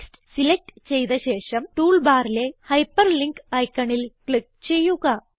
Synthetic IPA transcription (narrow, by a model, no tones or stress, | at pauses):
sʈɨsilek̚ʈt͡ɕe̞jðɐɕe̞ːʂɐmʈuːɭbaːɾile̞hɐjpːɐrliŋkɐjkːɐɳilkɭik̚ | t͡ɕe̞jːuɣɐ